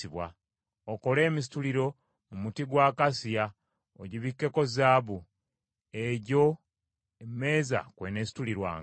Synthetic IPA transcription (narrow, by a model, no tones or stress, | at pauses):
iβwa | oko̞le̞ːmis̬i̥tuliɾo̞ | mumutiɡwaːkasija | oɟiβikːe̞ko̞zaːβu | eɟo̞ | emme̞ːza̰kwenesi̥tuliɾwa̰ːŋ